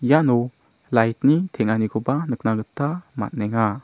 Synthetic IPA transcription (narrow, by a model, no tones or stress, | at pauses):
jano | lajt̚nitʰeŋanikʰɔbanɯk̚naɡɯtːama̰t̚neŋa